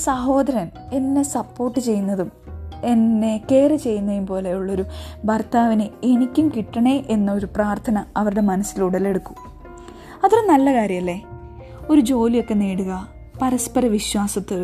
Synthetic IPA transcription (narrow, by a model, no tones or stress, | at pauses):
sɐɦo̞ːd̪ɐɾɐne̞nːe̞sɐpːo̞ːrʈːɨt͡ɕe̞jːunːɐðume̞nːe̞ke̞ːret͡ɕe̞jːunːɐjumpo̞ːlejuɭːo̞ɾubʱɐrt̪aːʋinɨenikʲːumkiʈːɐɳeʔenːɐo̞ɾupraːrt̪ʰɐnɐɐʋɐɾuɽe̞mɐnɐsːiluɽɐle̞ɽukːu̥ | ɐt̪ːuɾenɐlːɐkaːɾjɐmɐlːe | o̞ɾud͡ʑo̞ːlijo̞kːe̞neːɽuɣɐ | pɐɾɐspɐɾɐʋiɕwaːsɐt̪ːoɾ